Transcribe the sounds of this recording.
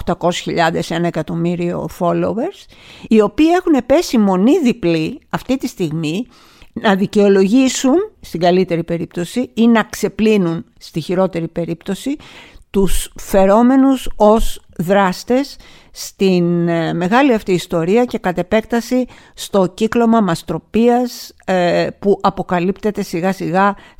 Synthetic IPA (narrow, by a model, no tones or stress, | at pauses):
oxt̪ɐko̞si̥çiʎɐðe̞se̞nɐekɐt̪o̞miɾio̞̰fo̞lowe̞ɾs | io̞piːe̞xune̞pe̞simo̞niðipliɐft̪it̪ist̪iɣmi | nɐðice̞o̞lo̞ʝisunst̪iɡɐlit̪e̞ɾipe̞ɾip̚t̪o̞siinɐkse̞plinun | st̪içiɾo̞t̪e̞ɾipe̞ɾipt̪o̞sit̪usfe̞ɾo̞me̞nuso̞z | ðɾɐst̪e̞sː | t̪inme̞ɣɐliɐft̪iːst̪o̞ɾiɐce̞kɐt̪e̞pe̞k̚t̪ɐsi | st̪o̞ciklo̞mɐmɐst̪ɾo̞piɐs | puʔɐpo̞kɐlipt̪e̞t̪e̞siɣɐsiɣɐ